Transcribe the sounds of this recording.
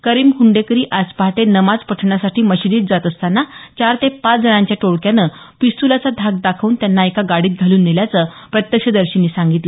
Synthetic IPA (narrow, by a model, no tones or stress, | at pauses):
kəɾiːmkuɳɖekəɾiːʔaspaʈenəmad͡zpəʈʰɳasaʈʰiːməɕidiːt̪̚d͡zat̪əst̪anːat͡ɕaɾt̪epat͡sd͡zənãɲt͡ɕjaʈoɽkjanəː | pist̪ulat͡sad̪ʱaɡ̚d̪akʰʋuːnt̪janːaekaɡaɽiːt̪̚ɡʱaluːnːiljat͡səː | pɾət̪jəkʂəd̪əɾɕinːiːsãŋɡit̪lə